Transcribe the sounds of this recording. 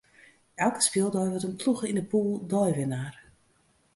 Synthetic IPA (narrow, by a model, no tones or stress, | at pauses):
ʔɛlˠkə̥spɪːlˠdɔjʋɔtənpʰluxəindəpuːlˠdɔjʋɪnaːr